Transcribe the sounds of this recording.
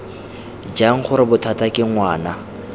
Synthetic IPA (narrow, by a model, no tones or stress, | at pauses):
d͡ʒaŋ̩χʊɾɪbʊtʰatʼakʼɪŋ̩waːna